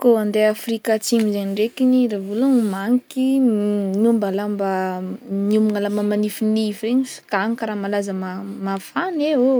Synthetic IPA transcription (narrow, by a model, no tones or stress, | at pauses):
koand̪eafrikat͡simizeɲiɳɖ͡ʐekiniɾavulaumaŋki | numbalambanumuŋalamamanifinifeɲifi̥kaŋikaɾamalazəmamafanewe